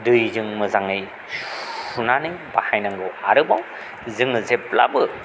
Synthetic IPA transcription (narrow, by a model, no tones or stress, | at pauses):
dɯjzɯŋmɯzaŋɯj | sunanɯŋbahajnaŋɡɯwaɾɯbaw | zɯŋɯzep̚la̰bɯ